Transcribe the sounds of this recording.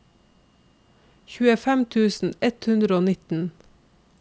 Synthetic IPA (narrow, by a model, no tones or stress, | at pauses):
çʉːəfæmt̪ʰʉːsn̩ɛt̪hʉnd̪ɾəoːnɪt̪n̩